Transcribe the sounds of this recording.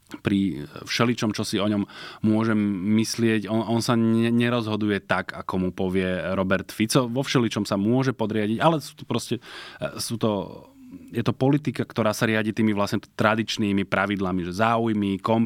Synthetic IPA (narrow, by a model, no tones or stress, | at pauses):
pɾifʃɛlit͡ʃɔmt͡ʃɔsiɔɲɔmmʊɔʒɛmːislɪɛɟɔnɔnsaɲɛɲɛɾɔzɦɔd̪ujɛt̪aɡakɔmupɔʋɪɛɾɔbɛɾt̪fit͡sɔʋɔfʃɛlit͡ʃɔmsamʊɔʒɛpɔd̪ɾɪaɟiɟalɛsu̥ːt̪ɔ̥pɾɔscɛsuːt̪ɔ | jɛt̪ɔpɔlit̪ikakt̪ɔɾaːsaɾɪaɟiːt̪iːmiʋlasɲɛt̪ɾad̪it͡ʃniːmipɾaʋid̪lamiʒɛzaːujmikɔm